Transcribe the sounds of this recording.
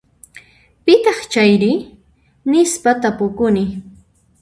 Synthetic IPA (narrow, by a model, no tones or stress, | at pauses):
pɪt̪ɑχt͡ʃajɾɪ | nɪspat̪apʊkʊnɪ